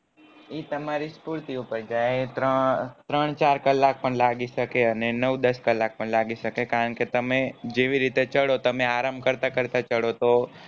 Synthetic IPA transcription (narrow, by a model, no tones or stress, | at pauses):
iːt̪əmaɾispʊɾt̪iupəɾd͡ʒaːet̪ɾət̪ɾəɳ̃t͡ʃaːɾkəlːaːk̚pəɳlaːɡisəkeɐnenəʋd̪əskəlːaːk̚pəɳlaːɡisəkekaːɾəɳket̪əmẽd͡ʒeʋiɾit̪et͡ʃəɽot̪əmẽaːɾambkəɾt̪akəɾt̪at͡ʃəɽot̪o